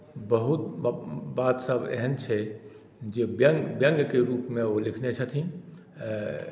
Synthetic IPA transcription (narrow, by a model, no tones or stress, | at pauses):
bəɦut̪baːt̪səbɛ̰ɦənt͡ʃʰɛ | d͡ʒebəŋɡbjəŋɡkeɾuːpmẽolikʰnet͡ʃʰət̪ʰĩ